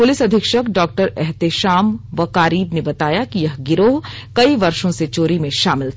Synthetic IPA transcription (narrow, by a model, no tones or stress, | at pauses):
pʊlɪsɐd̪ʱɪkʃəkɖɔːk̚ʈəɾɛɦt̪eʃaːmʋɐkaːɾiːbnebɐt̪aːjakijɐɦɡɪɾoːɦ | kɐiʋɐɾʃõset͡ʃoːɾimẽʃaːmɪlt̪ʰ